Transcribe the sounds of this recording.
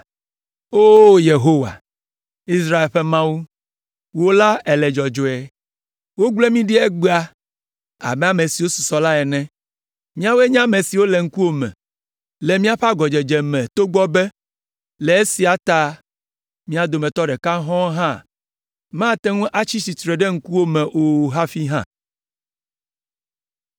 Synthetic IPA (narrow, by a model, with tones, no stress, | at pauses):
o˦je˨ɦo˦wa̰˨ | i˦s̬ɾa˦e˨lɸɛ˦mã˦wu˦ | wo˦la˦ɛ˨lɛ˨d͡ʒɔ˨d͡ʒo˨e˨ | wo˦ɡ͡ble˦mĩ˦ɖi˦ɛ˦ɡ͡ba˦ | a̰˨mɛ̃˦a˨mẽ˨si˨wo˦su̥˨sɔ˨la˦ɛ˨nɛ̃˦ | mĩ˦a˦wo˦ɛ˦ɲã˦mẽ˨si˨wo˦le˨ŋ̩˦ku˦o˦mɛ̰̃˨ | lɛ˨mĩ˦a˦ɸa˦ɡɔ˨d͡ʒɛ˨d͡ʒɛ˨mɛ̃˨t̪o˦ɡ͡bɔ˦bɛ˦ | lɛ˨e˦si˨a˨t̪a˦ | mĩ˦a˨d̪o˨mɛ̃˨t̪ɔ˦ɖɛ˨ka˦ɦɔ̃˦ɦã˦ | mã˦t̪ɛ˦ŋũ˦ʔa˦t͡ɕi˦si˨t̪ɾɛ˨ɖɛ˦ŋ̩˦ku˦wo˦mɛ̃˨ʔo˨ɦa˦fi˦ɦã̰˦˨